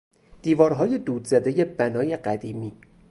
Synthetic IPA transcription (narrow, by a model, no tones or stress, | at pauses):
d̪̥iːvɒːɾɦɒːje̞d̪uːd̪zæd̪e̞je̞bænɒːje̞ɢæd̪iːmiː